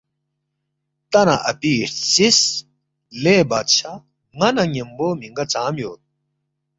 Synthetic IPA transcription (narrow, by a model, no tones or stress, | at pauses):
t̪ɐnɐʔɐpiːʈsis | leːbɐt̪t͡ɕʰɐ | ŋɐnɐŋemboːmiŋɡɐt͡saːmjoːt̪̚